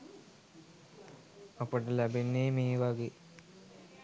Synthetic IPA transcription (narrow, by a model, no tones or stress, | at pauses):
apəʈəlæbenːeːmeːʋaɡeː